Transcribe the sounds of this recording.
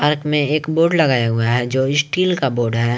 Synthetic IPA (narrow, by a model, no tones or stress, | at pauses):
pəɾkmẽeːkboːɾɖlɐɡaːjaɦʊaɦɛd͡ʒoːɪsʈiːlkaboːɖɦɛː